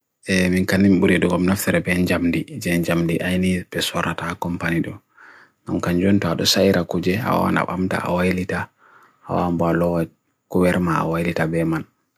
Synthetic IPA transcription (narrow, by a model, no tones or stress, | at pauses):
ʔɛminkanːimɓuɾɛɗɔɡɔmnaftɛɾɛbɛɲd͡ʒamdid͡ʒɛnd͡ʒamdiʔajnibɛsɔɾatakɔmpaniɗɔ | ɡamkaɲd͡ʒɔntɔaɗɔsajɾakud͡ʒɛa̰wa̰na̰ɓa̰mta̰a̰wajlita | ha̰wambalɔwa | kuwɛɾmaa̰wajlitabɛman